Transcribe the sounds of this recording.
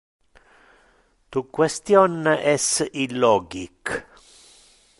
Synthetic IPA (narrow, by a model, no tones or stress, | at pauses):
t̪ukwest̪jɔnːʔɛsilɔɡik